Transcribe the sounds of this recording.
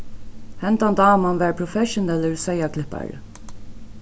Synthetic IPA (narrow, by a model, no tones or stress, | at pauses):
hɛnt̪and̪ɑːmanʋæːɹpʰɹɔfɛʃʊnɛləɹsɛɪjakʰlɪhpa̰ɹ